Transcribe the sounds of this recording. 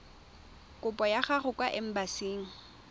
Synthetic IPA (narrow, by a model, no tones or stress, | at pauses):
kʼʊpʼɔjaχaχʊkwaʔɪm̩basiːŋ̩